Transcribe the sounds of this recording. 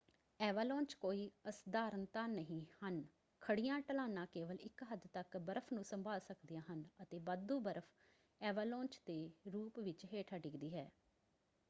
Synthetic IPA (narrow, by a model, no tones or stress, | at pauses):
ɛːʋaːlɔ̃ːnt͡ʃkoːiːəsd̪aːɾənt̪ãːnəɦĩːhən | kʰəɽɪjãːʈəlaːnãːkeːʋəlɪkɦəd̪t̪əkbəɾəpʰnũːsəmbʱaːlsəkd̪ijãːɦənət̪eːbəd̪ũːbəɾəpʰ | ɛːʋaːlɔ̃ːnt͡ʃd̪eːɾuːpʋɪt͡ʃɦeːʈʰaːɖɪkd̪iːɦɛː